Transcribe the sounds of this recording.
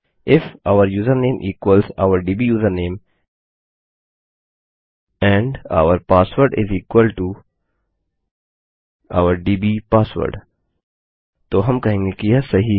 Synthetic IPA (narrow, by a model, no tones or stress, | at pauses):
ʔɪfaʊəɾjuːzəɾnẽːmʔiːkwəlza̰ʊəɾɖiːbijuːzəɾnẽːm | ɛ̃ɳɖa̰ʊəɾpaːsʋəɾɖɪ̰ziːkwəlʈu | a̰ʊəɾɖiːbipaːsʋə̰ɾɖ | t̪oɦɐ̃mkɐɦẽːŋɡekɪjasɐɦi